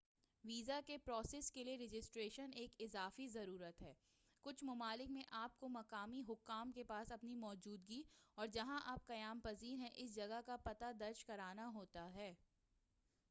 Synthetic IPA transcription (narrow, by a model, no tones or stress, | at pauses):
ʋiːzakepɾɔːseːskelieɾɪd͡ʒɪsʈɾeːʃəneːkɪzaːfizɐɾuːɾət̪ɦɛː | kʊt͡ʃʰmɐmaːlɪkmẽʔaːp̚komɐkaːmiɦʊkːaːmkepaːsɐpnimɔːd͡ʒuːd̪ɡiɔːɾd͡ʒɐɦãʔaːp̚kɐjaːmpɐziːɾɦɛ̃ʔɪs̬d͡ʒɐɡəkapɐt̪ad̪ɐɾʃkɐɾaːnaɦoːt̪aɦɛː